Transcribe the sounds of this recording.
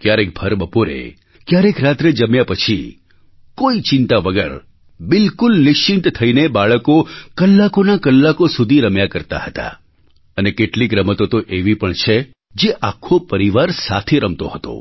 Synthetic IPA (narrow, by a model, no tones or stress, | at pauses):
kjaɾek̚bʱəɾbəpoɾḛ | kjaɾekɾat̪ɾed͡ʒəmjapət͡ʃʰi | koit͡ʃɪ̃nt̪aʋəɡə̰ɾ | bɪlkʊlnɪʃt͡ʃɪnt̪t̪ʰəinebaɭəkokəlːakonakəlːakosud̪ʱiɾəmjakəɾt̪a̰ɦət̪a̰ | ənekeʈliɡɾəmət̪ot̪oʔeʋipəɳt͡ʃʰe | d͡ʒeʔakʰːopəɾiʋaɾsat̪ʰeɾəmt̪oɦət̪o̰